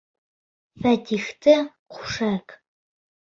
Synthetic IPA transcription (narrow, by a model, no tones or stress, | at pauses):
fɐdixtʰɐqʷʰʊ̥ʂɐk